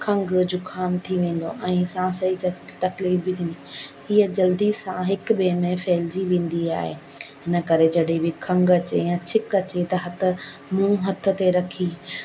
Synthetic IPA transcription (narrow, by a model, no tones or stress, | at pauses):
kʰɐ̃ŋɡd͡ʑʊkʰaːmt̪ʰiʋẽːn̆d̪oʔɛ̃ːsãsɐɦit̪ɐt̪ɐkliːɾbɪt̪ʰĩːnd̪iɦiːəd͡ʑɐld̪isãɦɪk̆beːmẽfɛːlziʋẽːn̆d̪ia̰ːɦḛ | ɦɪnə̆kɐɾed͡ʑɐɗɦebɪkʰɐ̃ŋɡɐt͡ɕejãt͡ɕʰɪkɐt͡ɕet̪ɐɦɐt̪ʰʊ̆ | mʊ̃ũɦɐt̪ʰʊ̆t̪eɾɐkʰi